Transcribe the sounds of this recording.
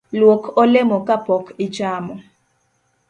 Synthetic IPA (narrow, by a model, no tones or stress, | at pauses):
lwokʰɔlɛmɔkapɔkit͡ʃaːmɔ